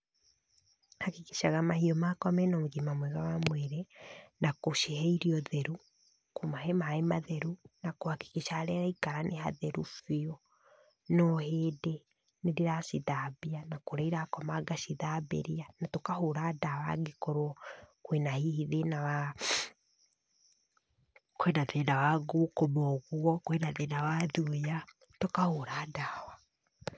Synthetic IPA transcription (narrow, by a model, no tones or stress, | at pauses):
hakikiʃaɣamahiɔmakɔmɛnamoɣimamwɛɣawamwɛɾɛnakoʃehɛiɾiɔðɛɾu | komaɦemaemaðɛɾunakohaki̥kiʃaɾɛɾaikaɾanʔeɦa̰ðɛɾufiɔ | nɔɦeːde | nediɾaʃiðabianakoɾaiɾakɔmaɡaʃiðabɛ̰ɾianatokahoɾaːdawa̰ɡikɔɾwɔkwenahihiðenawa | kowɛnaðɛdawaɡukomɔɣuɔkwenaðenawaðuja | tokahoɾaːdaːwa